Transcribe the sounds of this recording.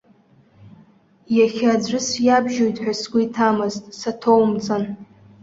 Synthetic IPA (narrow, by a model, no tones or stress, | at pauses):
jaχʲad͡zʷɨsjabʒojtʼħʷᶣasɡʷʊitʰamɨztʼsatʰowmt͡sʼan